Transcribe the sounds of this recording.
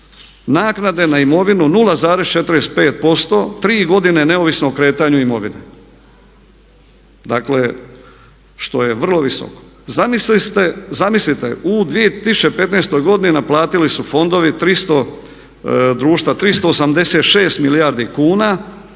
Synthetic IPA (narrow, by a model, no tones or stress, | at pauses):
naːknad̪e̞naimo̞ʋinunulˠazaːɾe̞st͡ʃe̞t̪ɾest̪pe̞ːt̪̚po̞st̪o̞t̪ɾiːɡo̞d̪inene̞oʋisnoːkɾe̞ːt̪aɲuimo̞ʋinḛ | d̪akle̞ | ʃt̪o̞je̞ʋr̩lˠo̞ʋiso̰ko̥ | zamisit̪ezamislit̪ḛud̪ʋijet̪isut͡ʃepe̞t̪neːst̪o̞jɡo̞d̪ininaplˠaːt̪ilisufo̞nd̪o̞ʋit̪ɾist̪o̞ | d̪ɾuːʃt̪ʋat̪ɾist̪o̞ːsamd̪e̞se̞ːt̪ʃe̞ːst̪milijaɾd̪ikuːna